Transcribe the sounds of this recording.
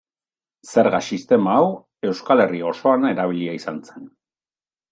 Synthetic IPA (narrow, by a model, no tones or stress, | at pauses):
se̞ɾɣasist̪e̞maːw | e̞wskale̞rio̞so̞ane̞ɾaβ̞iʎiaisant͡se̞n